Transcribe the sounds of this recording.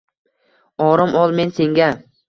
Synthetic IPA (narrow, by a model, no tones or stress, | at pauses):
ɒɾɪmʔɒlˠme̞nse̞ŋɡʲa